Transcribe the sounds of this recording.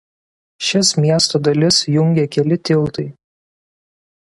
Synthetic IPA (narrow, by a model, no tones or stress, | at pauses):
ʃʲɪsmʲiɛst̪oːd̪ɐlʲɪsjʊŋʲɡʲekʲɛlʲɪt̪ʲɪlˠt̪ɐɪ